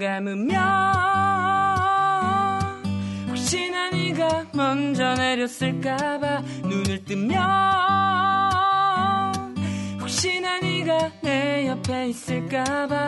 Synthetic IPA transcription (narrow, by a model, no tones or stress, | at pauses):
ɡamɯmjʌ | hok̚ɕ͈inaɲiɡamʌnd͡ʑʌneɾjʌs͈ɯɭk͈aba | nunɯɭt͈ɯmmːjʌ | nhok̚ɕ͈inaɲiɡanejʌpʰe̞is͈ɯɭk͈aba